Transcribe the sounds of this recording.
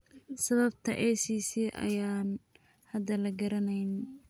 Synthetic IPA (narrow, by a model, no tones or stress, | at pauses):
sɐβɐb̚t̪ʰɐʔɛjsiːsiʔɐ̰jaːn | hɐd̪ɐlɐɡɐɾɐnɛjn